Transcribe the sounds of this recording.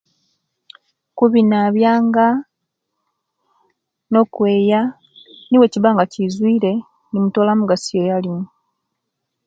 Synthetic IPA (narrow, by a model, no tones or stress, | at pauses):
kuβinaːβjaːŋɡa | no̞ːkwe̞ːja | niweciβaːŋɡacizwiːɾe̞ | nimuto̞ːlamuɡasijejalimu